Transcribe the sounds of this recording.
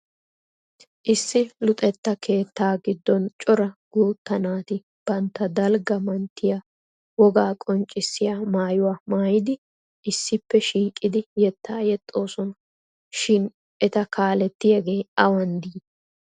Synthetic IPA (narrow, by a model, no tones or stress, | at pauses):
ʔɪsːɪlʊt̪ʼɛt̪ːɐkʰe̞ːt̪ːaːɡɪd̪ːɔnt͡ʃʼɔɾɐɡ̥uːt̪ːɐnaːt̪ɪ | b̥ɐnt̪ːɐd̪ɐlɡɐmɐnt̪ːɪja | wɔɡaːkʼɔnt͡ʃʼɪsːɪjaːmaːjʊwaːmaːjɪd̪ɪ | ʔɪsːɪpːɛʃiːkʼːɪd̪ɪjɛt̪ːaːjɛt̪ʼːo̞ːsɔnɐ | ʃɪn | ʔɛt̪ɐkaːlɛt̪ːɪjɐɡe̞ːɐwɐnd̪iːd̪ɐ